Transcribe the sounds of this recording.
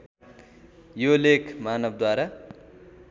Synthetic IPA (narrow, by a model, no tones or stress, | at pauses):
jolekʰmaːnʌb̚d̪waɾa